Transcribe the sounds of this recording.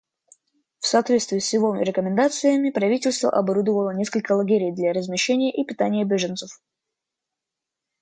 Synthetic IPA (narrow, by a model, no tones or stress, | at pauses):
fsɐːt̪vʲet̪st̪vʲɪːsjɪvoɾʲɪkəmʲɪnd̪at̪sɨjəmʲɪpɾɐvʲitʲɪlʲst̪və̰ʔɐbaɾud̪əvəlˠənʲe̞skəlʲkəlˠɐɡʲeɾʲɪjd̪lʲaɾəzmʲɪɕːenʲɪjəʔipʲɪt̪anʲɪjəbʲeʐɨnt̪səf